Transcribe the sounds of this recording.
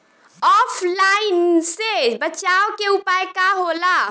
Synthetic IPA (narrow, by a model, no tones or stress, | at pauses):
ɔpʰlainsebət͡ʃaokeupajkaɦola